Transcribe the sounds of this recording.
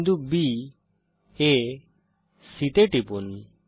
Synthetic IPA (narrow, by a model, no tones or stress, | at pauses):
d̪ubi | e | sit̪eʈipun